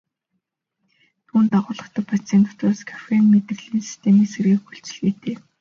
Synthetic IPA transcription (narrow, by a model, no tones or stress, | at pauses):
t̪ʰuːnt̪aʁʊːɮə̆χt̪ə̆pʰat͡sent̪ʊ̥t̪aːskʰḁfʲenmet̪ɘ̆ɮiːnsi̥st̪ʰemiːkserɣiːkxuɬt͡s̆ɮɣeːt̪ʰeː